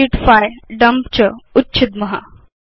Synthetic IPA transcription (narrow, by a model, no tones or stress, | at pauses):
iʈfajɖəmpt͡ɕəutːɕʰit̪̚məɦa